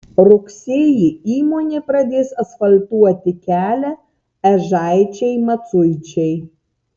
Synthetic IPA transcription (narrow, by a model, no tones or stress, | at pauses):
ɾʊksʲeːjiiːmoːnʲepɾɐd̪ʲeːsɐsfɐlʲt̪uɔt̪ʲɪkʲæːlʲɛ | ɛʒɑˑɪt͡ʃʲɛɪmɐt̪sʊɪt͡ʃʲɛɪ